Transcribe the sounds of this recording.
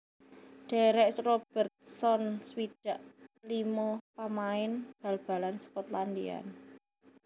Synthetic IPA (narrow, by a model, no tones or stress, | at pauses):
ɖ̥ɛ̤ɾɛʔsrob̥ərt̪̚sɔnswid̥a̤ʔlimopamaɪnb̥a̤lb̥a̤lanskɔt̪land̪ḭa̰n